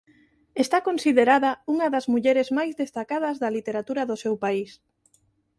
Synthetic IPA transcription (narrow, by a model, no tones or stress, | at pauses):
est̪akonsiðeɾaðɐuŋɐðɐzmuʎɛɾezmajzðest̪akað̞ɐzðɐlit̪eɾat̪uɾɐðʊsewpais